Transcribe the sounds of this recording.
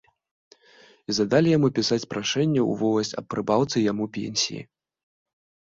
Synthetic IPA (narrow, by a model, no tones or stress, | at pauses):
izɐd̪alʲijamupʲisat͡sʲpɾaʂɛnʲːɛṵvɔwlˠɐsʲɐ̰ppːɾɨbawt̪sɨjamupʲḛnʲsʲḭjḭ